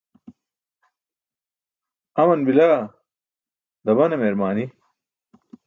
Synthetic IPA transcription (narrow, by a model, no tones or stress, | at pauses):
ɐmɐnbilaː | d̪ɐbɐnɐmeɾmaːni